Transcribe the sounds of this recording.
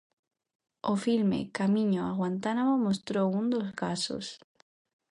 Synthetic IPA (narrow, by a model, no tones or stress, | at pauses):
ofilmḛkamĩɲoaɣwant̪anamomost̪ɾound̪ozɣaso̰s